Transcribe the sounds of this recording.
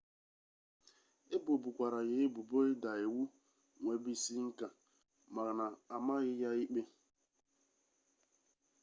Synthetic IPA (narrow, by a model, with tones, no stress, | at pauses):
e˦bo˨bu˨kʷa˨ɾa˨ɣɪ˨˦e˦bu˨bo˦ɪ˦da˨e˨wu˦ | ŋʷe˨bi˦˨si˦ŋ̩˦ka˨ | ma˨ɾna˨a˨ma˦ɣɪ˦ja˦i˦k͡pe˦